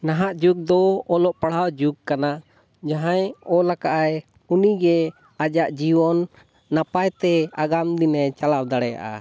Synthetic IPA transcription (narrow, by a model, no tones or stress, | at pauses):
naɦaʔd͡ʒuɡ̚d̪ɔɔlɔʔpaɽ̤awd͡ʒuɡ̚kana | d͡ʒaɦãjɔlakaʔaj | uniɡɛ | ad͡ʒaʔd͡ʒiwɔnː | apajt̪ɛaɡamd̪inɛt͡ʃalab̚d̪aɽɛja̰ʔa̰